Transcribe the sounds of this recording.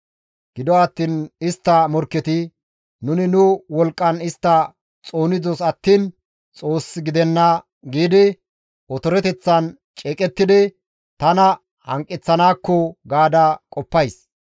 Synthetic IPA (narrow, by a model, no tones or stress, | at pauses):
ɡ̥ɪd̪ɔɐt̪ːiːnɪst̪ːɐmɔɾkːɛt̪ɪ | nʊnɪnʊwɔlkʼːɐnɪst̪ːɐ | t͡sʼo̞ːnɪd͡zɔsɐt̪ːiːn | t͡sʼo̞ːsːɪɡɪd̪ɛnːɐ | ɡiːd̪ɪ | ɔt̪ɔɾɛt̪ɛt͡sːɐn | t͡ʃʼeːkʼɛt̪ːɪd̪ɪ | t̪ɐnɐ | hɐ̰ŋkʼːɪt͡sːɐnaːkːɔɡaːd̪ɐkʼɔpːɐjs